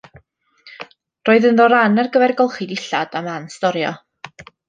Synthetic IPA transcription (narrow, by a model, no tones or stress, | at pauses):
roːɨðənðɔɾanarɡəvɛrɡɔlˠχɪdɪɬad̥amanstɔɾjɔ̰